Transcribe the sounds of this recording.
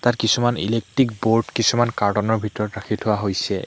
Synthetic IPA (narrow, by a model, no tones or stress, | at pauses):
tatkisumanḭlek̚tɹikboɹʈkisumankaɹtɔnɔɹbʱitɔɹɔtɹakʰitʰʊwaɦojsɛ̰